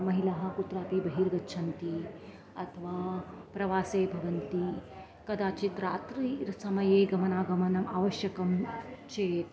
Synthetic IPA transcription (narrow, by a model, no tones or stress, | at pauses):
mɐɦilɐɦɐ̆kut̪ɾaːpibɐɦiːɾɡɐtːʃʰɐnt̪i | ɐt̪ʰɐʋaːpɾɐʋaːseːbʱɐʋɐnt̪i | kɐd̪aːt͡ʃit̪ɾaːt̪ɾiɾsɐmɐjeːɡɐmɐnaːɡɐmɐnɐma̰ːʋɐʃjɐkɐmt͡ʃeːt̪